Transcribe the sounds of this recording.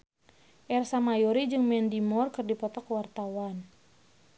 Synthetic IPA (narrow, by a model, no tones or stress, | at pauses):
ʔɛrsamajɔɾid͡ʒɨŋmɛndimɔrkɨrdipɔt̪ɔkwart̪awan